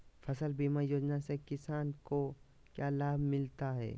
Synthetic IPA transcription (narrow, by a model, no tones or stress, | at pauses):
fɐsəlbiːmaːjoːd͡ʒnasekɪsaːnko | kjaːlaːbʱmɪlt̪aɦɛ̰ː